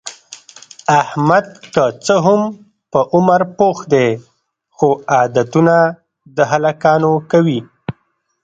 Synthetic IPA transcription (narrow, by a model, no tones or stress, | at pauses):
ahmad̪̚kət͡səɦʊm | pəʔʊmaɾpoxd̪e | xoɑd̪at̪una | d̪əɦalakɑnokawi